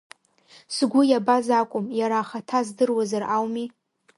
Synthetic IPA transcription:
sɡʷʊjabazakʷʼʊmjaɾaːχatʰazdɨrwazarawmi

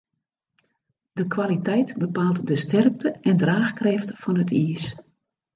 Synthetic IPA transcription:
dəkʰʋalitɛjtbəpaːlˠtdəstʰɛrk̚tʰəʔɛndraːxkrɛftfɔnətʰiəs

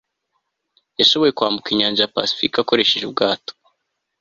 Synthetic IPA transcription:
jaʃo̞βo̞je̞kwaːmbukiɲaːnd͡ʒajapa̰si̥fikako̞ɾe̞ʃe̞ʒub̚ɡaːto̥

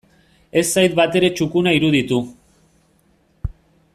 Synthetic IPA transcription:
e̞sːajt̪̚bat̪e̞ɾe̞t͡ʃukunaiɾuð̞it̪u

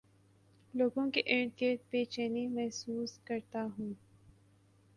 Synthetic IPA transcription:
loːɡõkeʔẽːɳkeʈpet͡ʃɛːnemɛɦsuːskɐɾt̪aɦũː

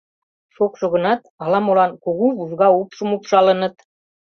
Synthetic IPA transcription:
ʃokʃŏɣə̆nɑt̪ɑlɑmolɑnkoɣuβuzɣɑupʃə̆mupʃɑlənɤ̆t̪

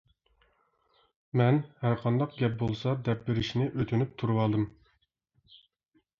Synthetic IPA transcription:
mɛnhæɾqʰɑnd̪ɑq̚ɡʲɛp̚bolˠsɑd̪ɛp̚beɾɪʃnɪʔøt̪ʰynyp̚t̪ʰuɾwɑːlˠd̪ɨm

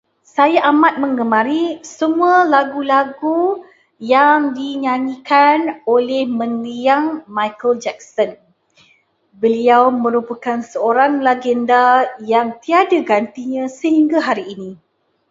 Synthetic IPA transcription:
sajaʔamat̪̚mə̃ŋɡəmãɾisəmũalaɡulaɡu | jaŋdiɲaɲikanolɛhmə̃ŋliaŋmajkəld͡ʒɛk̚sən | bəliawmə̃ɾupakansəoɾaŋlaɡɛndajaŋt̪iadaɡant̪iɲãsəhiŋɡaɦaɾiːnĩ

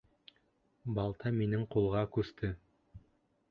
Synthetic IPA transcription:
bɑlˠt̪ɑminɘŋqulˠʁɑkʉst̪ʰɘ

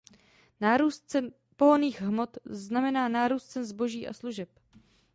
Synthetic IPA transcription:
naːɾuːst̪t͡sɛn | po̞ɦoniːɣɦmo̞t̪znamɛnaːnaːɾuːst̪t͡sɛnzbo̞ʒiːʔa̰sluʒɛp

